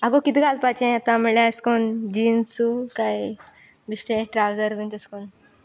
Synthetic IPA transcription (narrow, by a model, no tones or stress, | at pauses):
aɡokit̪iɡalpat͡ɕẽat̪ãməɭeskond͡ʑiːnsukaj | bisʈẽʈɾawd͡zəɾʋint̪əskon